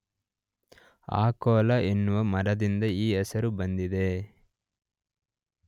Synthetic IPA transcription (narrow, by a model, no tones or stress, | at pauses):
a̰ːkɔːlɐʔenːuʋɐmɐɾɐd̪ind̪ɐiːɛsɐɾubɐnd̪id̪e̞